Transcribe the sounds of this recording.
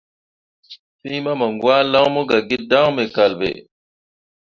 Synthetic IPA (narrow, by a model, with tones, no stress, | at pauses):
si˦ma˦ma˨ŋɡwa˦la˦wmu˦ɡa˨ɡi˦da˦wme˨ka˨lbḛ˨